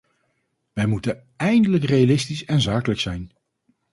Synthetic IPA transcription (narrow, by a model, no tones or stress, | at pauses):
ʋɛjmutən | ɛjndələkrejalɪstisɛnzaːkələksɛjn